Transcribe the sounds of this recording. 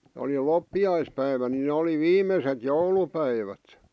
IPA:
oli lopːiɑispæiʋæ nin nĕ oli ʋiːmˑeset joulupæiʋæt

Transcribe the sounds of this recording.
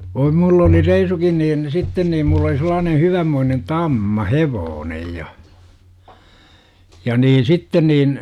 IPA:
ʋoi mulː oli reisukin niːn sitːen niːm mulˑ oli selˑɑːnen̞ hyʋæmːoinen tɑmːɑ heʋoːnej jɑ jɑ niːn̞ sitːen niːn

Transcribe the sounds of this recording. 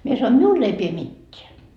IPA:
mie sɑnoin miul ei pie mitːeæ

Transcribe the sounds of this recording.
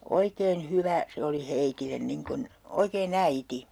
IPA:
oikeːn hyʋæ se oli heitilːen niŋ kun oikeːn æiti

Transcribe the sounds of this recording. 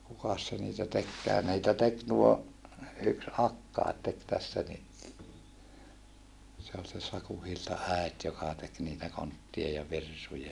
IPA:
kukɑs se niːtæ tekːæː ni̯itæ tek tuo yks ɑkːɑet tek tæsːæ ni se ol se sɑku hiltɑ æet jokɑ tek niːtæ kontːiɑ jɑ ʋirsujɑ

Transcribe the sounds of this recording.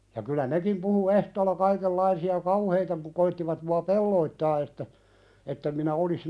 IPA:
jɑ kylæ nekim puhu ehtoːlːɑ kɑikelːɑisiɑ kɑuheitɑ pu koitːiʋɑt muɑ pelːoitːɑː etːæ etːem minæ olis

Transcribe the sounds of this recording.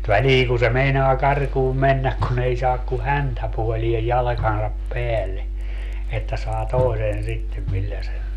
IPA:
ʋæliːŋ ku se meinoɑ kɑrkuːm menːæk kun ei sɑːk ku hæntæpuoliej jɑlɑ̆kɑnsɑp peælːe etːæ sɑː toˑi̯sen sitːem milːæ sen̞

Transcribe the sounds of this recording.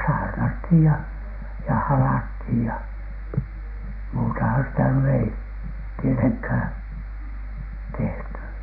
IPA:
sɑːrnɑthiˑj jɑ jɑ hɑlɑthiˑj jɑ muːtɑhɑn sitæ ny ei tieteŋkhæˑn̥ tehty

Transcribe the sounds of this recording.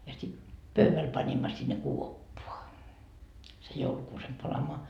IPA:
jɑ sit pøyʋæl pɑnʲimːɑ sinːe kuopːoɑ sej joulukuːsem pɑlɑmoɑ

